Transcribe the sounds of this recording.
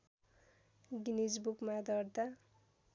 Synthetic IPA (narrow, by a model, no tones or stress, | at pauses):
ɡinisbukmad̪ʱʌɾd̪a